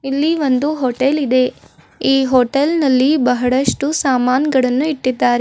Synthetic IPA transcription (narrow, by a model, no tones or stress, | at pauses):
ilːiʋo̞nd̪uɦoʈelid̪e̞ | iːɦoʈelnɐlːibɐɦɐɭɐʂʈusaːmaːnɡɐɭɐnːuiʈːid̪ːaːɾe